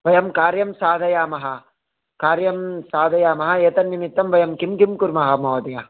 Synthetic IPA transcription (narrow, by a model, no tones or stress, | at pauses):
ʋɐjɐmkaːɾjɐmsaːd̪ʱɐjaːmɐɦɐ | kaːɾjɐmsaːd̪ʱɐjaːmɐɦɐeːt̪ɐnːimit̪ːɐmʋɐjɐmkimkimkuɾmɐɦɐmɐːd̪ɐjɐ